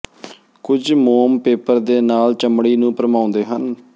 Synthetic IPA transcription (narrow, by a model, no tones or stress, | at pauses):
kʊd͡ʒmoːmpeːpəɾd̪eːnaːlt͡ʃəmɽiːnũːpəɾəmãːʊnd̪eːɦən